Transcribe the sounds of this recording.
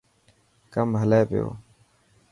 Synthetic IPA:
kəmɦəleːpɪjo̰ː

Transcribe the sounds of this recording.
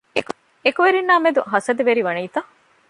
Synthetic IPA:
ekuʋeɾinːaːmed̪uɦɐsɐd̪eʋeɾiʋɐniːt̪ɐ

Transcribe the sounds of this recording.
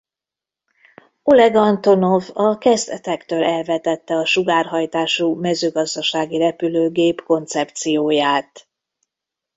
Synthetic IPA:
o̞lɛɡɒnt̪o̞no̞vɒkɛzd̪ɛt̪ɛkt̪øːlʔɛlvɛt̪ɛt̪ːɛɒʃuɡaːrɦɒjt̪aːʃumɛzøːɡɒzd̪ɒʃaːɡirɛpyløːɡeːpko̞nt̪sɛpt̪sijoːjaːt̪

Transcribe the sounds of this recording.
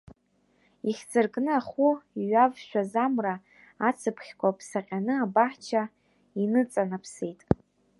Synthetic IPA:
iχʲzɨrɡʼnɨaχuiɥavʃʷᶣazamra | at͡sʰɨpʰχʲkʷʰapʰsaqʲʼanɨabaħt͡ʃʰa | inɨt͡sʼanapʰsejtʼ

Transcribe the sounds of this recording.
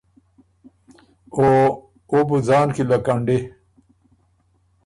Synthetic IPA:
o | obuzaːnkilɐkɐɳɖe

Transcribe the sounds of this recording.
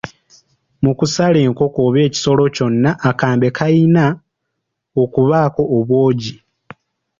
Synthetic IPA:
mukusaleːŋko̞koːβe̞ːci̥so̞lo̞co̞nːaʔːkaːmbe̞kʰaina | okuβaːko̞ʔːβwo̞ːɟi

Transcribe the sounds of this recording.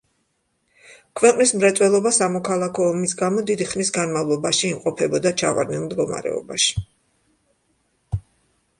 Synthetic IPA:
kʰvɛqʼnismɾat̪sʼwɛlˠɔbasamɔkʰalˠakʰɔːmisɡamɔd̪id̪iχnisɡanmavlˠɔbaʃiːmqʼɔpʰɛbɔd̪at͡ʃʰava̰ɾd̪nɛnmd̪ɡɔma̰ɾɛ̰ɔ̰baʃi̥

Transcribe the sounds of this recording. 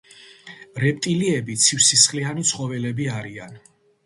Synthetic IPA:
ɾɛp̚ʼt̪ʼiliɛbit̪sʰifsisχlianit̪sʰχɔvɛlɛbiaɾian

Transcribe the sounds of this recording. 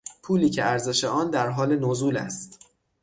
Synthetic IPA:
pʰuːliːcʰe̞æɾze̞ʃe̞ɒːnd̪æɾɦɒːle̞nozuːlæ̰st̪

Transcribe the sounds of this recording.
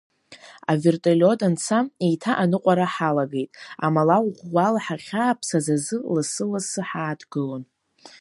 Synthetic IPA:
a̰vertʼelʲo̞dant͡sʰaejtʰaʔanɨqʷʼaɾaħalaɡe̞jtʼa̰malawʁʷalaħaχʲaːpʰsazazɨlɨsɨlasɨħaːtʰɡɨlon

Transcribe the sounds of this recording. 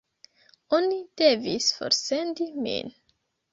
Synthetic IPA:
onid̥e̞visfo̰ɾse̞ndimḭn

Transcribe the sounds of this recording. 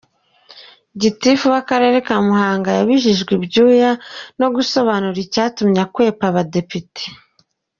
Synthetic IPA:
ɟitifuβakaɾe̞ɾe̞kamuhaːŋɡajaβiʒiʒɡwibɟuːjano̞ɡuso̞βanuɾicaːtumɲakwe̞ːpaβade̞pite̥

